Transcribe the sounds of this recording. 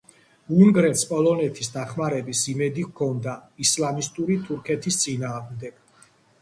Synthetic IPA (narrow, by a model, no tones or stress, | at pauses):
uŋɡɾɛt̪spʼɔlˠɔnɛt̪ʰisd̪aχmaɾɛbisimɛd̪ikʰɔnd̪aislamist̪ʼuɾit̪ʰuɾkʰɛt̪ʰist̪sʼinaːʁmd̪ɛɡ̥